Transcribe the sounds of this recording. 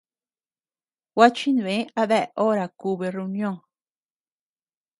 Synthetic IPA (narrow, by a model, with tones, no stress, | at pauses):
wa˦t͡ʃi˦ñ˨ẽ˦a˧ðɛ˦ʔʔo˦ɾa˨ku˧βe˧re˧u˧njõ˦˨ŋ